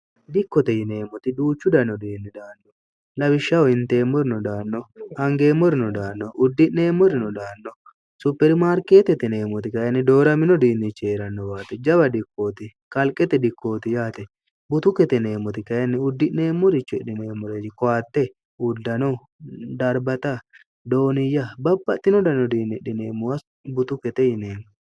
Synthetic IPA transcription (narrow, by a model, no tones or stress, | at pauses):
d̪ɪkːɔt̪ɛjɪne̞ːmɔt̪ɪd̪uːt͡ʃːʊd̪ɐnɔd̪iːnːɪd̪aːnːɔ | lɐbɪʃːɐwɔɪnt̪e̞ːmːɔɾɪnɔd̪aːnːɔɐŋɡe̞ːmːɔɾɪnɔd̪aːnːɔʔʊd̪ːɪne̞ːmːɔɾɪnɔd̪aːnːɔ | sʊpːɛɾɪmaːɾkeːt̪ɛt̪ɛne̞ːmːɔt̪ɪkɐjɐnːɪd̪o̞ːɾɐmɪnɔd̪iːnːɪt͡ʃːeːɾɐnːɔbaːt̪ɛd͡ʒɐbɐd̪ɪkːo̞ːt̪ɪ | kɐlkʼɛt̪ɛd̪ɪkːo̞ːt̪ɪjaːt̪ɛ | bʊt̪ʊkɛt̪ɛne̞ːmʊt̪ɪkɐjɐnːɪʊd̪ːɪʔne̞ːmːɔɾɪt͡ʃːʊɪᶑɪneːmːɔɾed͡ʒɪkɔaːt̪ːɛ | ʊd̪ːɐnɔ | d̪ɐɾbɐt̪ɐ | d̪o̞ːnɪjːɐbɐbːɐt̪ːɪnɔd̪ɐnːɔd̪iːnːɪɗɪneːmːʊwɐs | bʊt̪ʊkɛt̪ɛjɪneːm